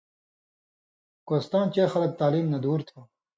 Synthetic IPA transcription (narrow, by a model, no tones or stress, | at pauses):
koːst̪aːnt͡ɕeːxɐlɐk̚t̪aːliːmnɐd̪uːɾt̪ʰo